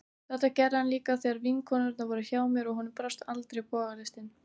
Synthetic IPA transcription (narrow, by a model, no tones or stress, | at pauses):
θɛht̪acɛrɪhanliːkaθɛaɾviŋkʰɔnaɾɛt̪navɔːɾɪçaːwmjɛɾɔɣɦɔnʏmpɾast̪alt̪ɾejpɔːɣalɪst̪ɪn